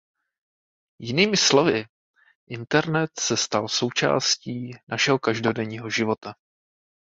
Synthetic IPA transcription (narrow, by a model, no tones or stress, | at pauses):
jɪniːmɪslo̞vɪ | ʔɪnt̪ɛɾnɛt̪sɛst̪also̞wt͡ʃa̰ːsciːnaʃɛɦokaʒdo̞dɛɲiːɦoʒɪvo̞t̪a